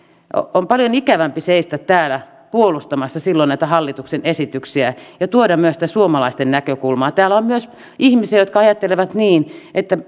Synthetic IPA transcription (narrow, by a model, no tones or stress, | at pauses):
o̰ompɑljonikæʋæmpiseist̪æt̪t̪æːlæ | puolust̪ɑmɑsːɑsilːonæit̪æhɑlːit̪uksenesit̪yksiæjɑt̪uodɑmmyøsi̥t̪æsuomɑlɑist̪ennækøkulmɑːt̪æːlːˑæommyøs | ihmisejot̪̚kɑɑjɑt̪ːeleʋæt̪niːnʔet̪ːæ